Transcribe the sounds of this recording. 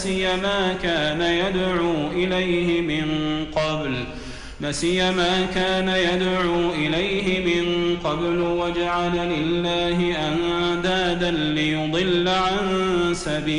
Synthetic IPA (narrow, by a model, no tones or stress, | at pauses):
sɪjːamaːkaːnajad̪ʕuːʔɪlajhɪmɪnqɑbl | lasɪjːamaːkaːnajad̪ʕuːʔɪlajɦɪmɪnqɑblwad͡ʒaʕalalɪlːaːɦɪʔan | d̪aːd̪anlɪjʊd̪ˤɨlːʕansabiː